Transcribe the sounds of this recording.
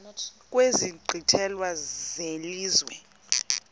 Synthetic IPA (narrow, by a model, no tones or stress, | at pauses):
k̬ʼweziɡ͡ǃʱitʰɛlwazeliːzwɛ̰